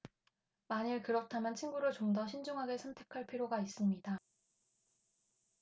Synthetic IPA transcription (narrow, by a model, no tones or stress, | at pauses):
maɲiɭkɯɾʌtʰamjʌnt͡ɕʰiŋɡuɾɯɭt͡ɕomdʌɕʰind͡ʑuŋɦaɡe̞sʰʌmtʰe̞kʰaɭpʰiɾjoɡais͈ɯmɲida